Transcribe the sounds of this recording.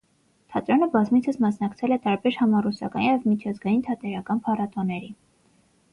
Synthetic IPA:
t̪ʰɑt̪ɾɔnəbɑzmit͡sʰəsmɑsnɑkt͡sʰɛlɛt̪ɑɾbɛɾhɑmɑrusɑ̰kɑ̰njɛvmit͡ʃʰɑzɡɑjint̪ʰɑt̪ɛɾɑkɑnpʰɑrɑt̪ɔnɛɾi

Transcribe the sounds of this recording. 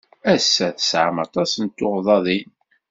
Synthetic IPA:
æsːæθəsʕa̰mɑt̪ˤɑsənt̪ːʊʁðˤɑðˤin

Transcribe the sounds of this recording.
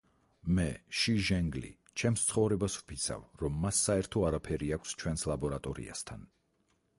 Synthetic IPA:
mɛʃiʒɛŋɡlḭ | t͡ʃʰɛmst̪sʰχɔvɾɛbasw̥pʰit̪sʰa̰vɾɔmːasːaɛɾt̪ʰɔaɾapʰɛɾiakʷʰst͡ʃʰwɛnslˠabɔɾat̪ʼɔɾḭa̰st̪ʰa̰n

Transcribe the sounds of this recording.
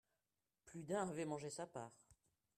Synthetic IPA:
plyd̪ɛ̃avɛmɑ̃ʒesapaːʁ

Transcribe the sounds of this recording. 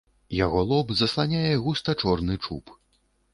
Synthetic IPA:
jaɣɔlˠɔbzɐslˠanʲajɛɣust̪ɐt͡ʂɔrnɨt͡ʂṵp

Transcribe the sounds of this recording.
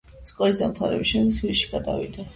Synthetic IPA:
skʼɔlizamt̪ʰaɾɛ̰biʃɛmiswilʃi̥ɡ̥ad̪a̰vḭd̪a

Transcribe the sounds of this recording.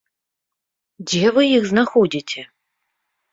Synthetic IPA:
d͡zʲɛvɨjixznaxɔdʲitʲʰɛ

